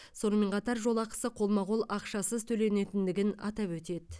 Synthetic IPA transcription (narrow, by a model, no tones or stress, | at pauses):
so̞nəme̞ɴqʰɑt̪ɑɾʒo̞lˠɑqə̥səqʰo̞lˠmɑʁolˠɑqʃɑsəzt̪ʰɵle̞ne̞t̪ɪnd̪ɪɡʲɪnɑ̰t̪ɑpwɵt̪e̞d̪ɪ